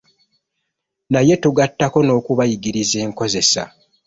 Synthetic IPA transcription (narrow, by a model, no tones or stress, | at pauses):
naje̞tuɡatːako̞no̞ːkuβajiɡiɾize̞ːŋko̞ze̞sa̰